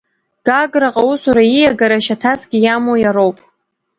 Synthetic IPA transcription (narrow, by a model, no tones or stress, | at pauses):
ɡ̥aɡɾaqʼausuɾaijaɡaɾaʃatʰasɡʲijamojaɾowpʼ